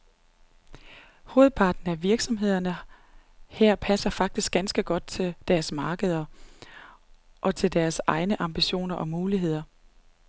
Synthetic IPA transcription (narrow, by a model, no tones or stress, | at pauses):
ho̝ːð̞̩ˠpʰɑ̈ːd̥n̩æʋiɐɡ̥sɒ̽mɦe̝ð̞̰ˠɐnə | hæɐ̰pʰæsɐfɑ̈ɡ̥̚d̥isɡ̥ænsɡ̥əɡ̥ɒ̽d̥̚t͡sʰe̝ld̥æɐsmɑ̈ːɡ̥əð̞ˠɐ | ʔɒ̽t͡sʰe̝ld̥æɐsɑ̈ɪnəʔɑ̈mb̥iɕo̝̰ːnɐʔɒ̽muːliɦe̝ð̞̰ˠɐ